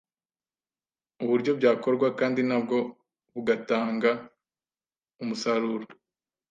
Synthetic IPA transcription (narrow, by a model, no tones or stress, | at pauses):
uβuɾɟo̞bɟaːko̞ɾɡwakaːndinab̚ɡo̞ | βuɡataːŋɡa | umusaɾuːɾo